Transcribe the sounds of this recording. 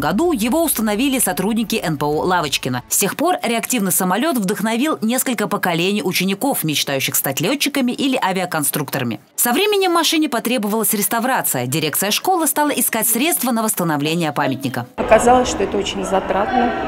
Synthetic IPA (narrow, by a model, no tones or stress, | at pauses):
ɡɐd̪ujɪvo̞ʊst̪ənɐvʲilʲɪsɐt̪ɾud̪ʲnʲɪkʲɪʔɛnpəolˠavət͡ɕkʲɪnəsʲtʲe̞xpo̞rɾʲɪɐktʲivnɨjsəmɐlʲo̞t̪vd̪əxnɐvʲilˠnʲe̞skəlʲkəpəkɐlʲenʲijʊt͡ɕɪnʲɪko̞fmʲɪt͡ɕt̪ajʉɕːɪxst̪atʲlʲot͡ɕːɪkəmʲɪʔilʲɪʔavʲɪəkɐnst̪ɾukt̪əɾəmʲɪ̰ | fsɐvɾʲemʲɪnʲːɪmːɐʂɨnʲɪpɐt̪ɾʲe̞bəvəlˠəsʲɾʲɪst̪ɐvɾat̪sɨjədʲɪɾʲe̞kt̪sɨjəʂko̞lˠɨst̪ɑlˠəʔɪskatʲsɾʲe̞t̪st̪vənəvəst̪ənɐvlʲenʲɪjəpamʲɪtʲnʲɪkəɐkɐzalˠəsʲʂt̪oɛt̪əot͡ɕɪnʲzɐt̪ɾat̪nəə